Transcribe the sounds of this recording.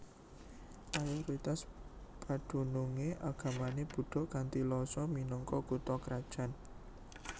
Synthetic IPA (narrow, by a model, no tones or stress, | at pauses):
ʔajuwɾit̪aspaɖ̥ṳnuŋeʔaɡ̥ä̤maneb̥ṳɖ̥ɔ̤ʔkant̪ilɔsɔminɔŋkɔkut̪ɔkɾad̥ʒ̥a̤n